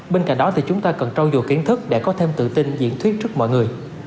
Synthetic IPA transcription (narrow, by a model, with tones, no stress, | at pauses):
ɓe˧nka̰˧˨jŋ̟ɗɔ˨˦t̪ʰi˨˩t͡ɕʊ˨˦ŋ͡mt̪aː˧kə˨˩nt͡ɕɔ˧wzu˨˩ki˨˦ənt̪ʰɨ˦˥k̚ɗḛ˧˥kɔ˨˦t̪ʰe˧mt̪ɨ̰˧˨t̪i˧nzḭ˧˥ənt̪ʰwi˦˥t̚t͡ɕɨ˦˥k̚mɔ̰˧˨jŋɨ˨˩əj